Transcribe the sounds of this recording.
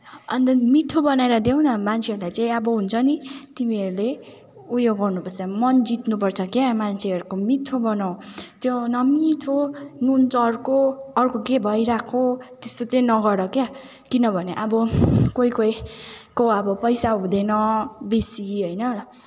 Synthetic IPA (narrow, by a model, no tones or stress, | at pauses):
ʌnt̪ʌmit̪ʰobʌneɾʌd̪ew̃nʌmant͡sʰeʌɾulajt͡saĩʌbʌɦunt͡sʰʌnit̪imiʌɾule | ujoɡːʌrnupʌrt͡samʌnd͡zit̪nupʌrt͡sʰʌkemant͡sʰeʌɾukomit̪ʰːobʌnaw̃t̪jonʌmit̪ʰonund͡zʌrkoʌrkokebʱʌjɾakʰot̪est̪ot͡sʌĩnʌɡʌɾʌkja | kinʌbʱʌneʔʌbʌkoikojkoʌbʌpʌjsaɦũd̪enʌbesiɦʌjnʌ